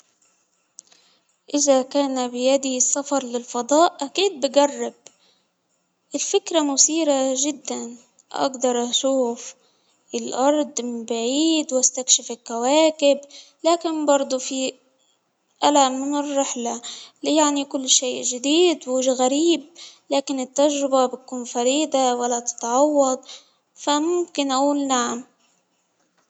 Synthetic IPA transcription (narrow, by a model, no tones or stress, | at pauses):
ʔɪzakaːnabɪjad̪isːafɑɾˤlɪlfɑd̪ˤɑːʔʔakiːd̪̚bɪɡarˤːɪb̚ | ʔɪlfɪkɾamʊsiːɾaʒɪd̪ːan | ʔa̰ɡd̪ɑɾˤʔaʃuːf | ʔɪlʔɑɾˤd̪ˤbaʕiːd̪wʔast̪akʃɪfɪlkawaːkɪb | laːkɪnbɑɾˤd̪ˤufi | ʔalaʔmːɪnɪrːɪħlalɪjaʕnikʊlːʃeːʔʒɪd̪iːd̪wɪʒɣaɾiːb̚laːkɪnɪt̪ːaʒɾɪbabɪt̪̚kuːnfɑɾiːd̪awalːat̪ɪ̥t̪ʕɑwːɑd̪̚ˤ | famʊmkɪnʔaʔuːlnaʕam